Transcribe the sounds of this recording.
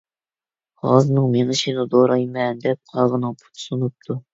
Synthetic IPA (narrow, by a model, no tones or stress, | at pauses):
ʁɑ̰zɨnɨŋmeŋɨʃinɨd̪oɾɑjmɛnd̪ɛp̚qʰɑʁənɨŋpʰu̥t̪ʰsunup̚t̪ʰu